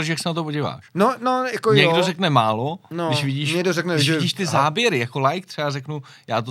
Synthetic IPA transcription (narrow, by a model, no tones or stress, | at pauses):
ʃ̬jaksɛnat̪̬opoɟɪva̰ːʃnonojakoɲɛɡdozɛknɛmaːlonodɪʃvɪɟiːʃɲɛɡdozɛknɛʃɪɟiːʃt̪ɪzaːbjɛɾɪjako̞lajk̚t̪r̥ɛarɛknu | jaːt̪̬o